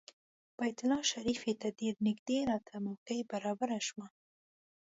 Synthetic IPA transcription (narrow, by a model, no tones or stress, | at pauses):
b̥ajt̪ʊlɑʃaɾifet̪ad̪eɾnɪɡd̪elɑt̪ʰamakəjbaɾɑbaɾaʃwa